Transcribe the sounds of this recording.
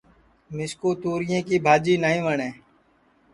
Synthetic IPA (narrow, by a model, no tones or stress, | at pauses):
mɪskoːt̪uːɾɪjẽːkiːbʱaːd͡ʒiːnəɦĩːʋəɳẽː